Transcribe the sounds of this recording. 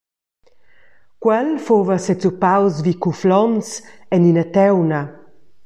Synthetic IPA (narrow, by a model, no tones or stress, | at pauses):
kwɛlfovəsɛt͡supawsvikuflɔnsɛninat̪ɛwna